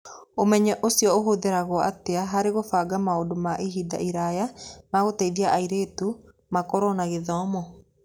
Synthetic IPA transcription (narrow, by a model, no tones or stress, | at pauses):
omɛɲɛʔosijɔoɦoðeɾaɣɔʔa̰teaɦaɾeɣofaɡamaodomaʔiɦida̰ʔiɾajamaɣoteiðiaʔaiɾetu | makɔɾɔnaɣeðɔmɔ